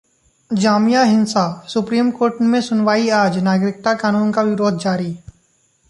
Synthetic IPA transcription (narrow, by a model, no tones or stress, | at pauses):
d͡ʒaːmijaɦɪ̃nsasʊpɾiːmkoːɾʈmẽsʊnʋaːiaːd͡ʒnaːɡɾɪk̚t̪akaːnuːnkaʋɪɾoːd̪ʱd͡ʒaːɾiː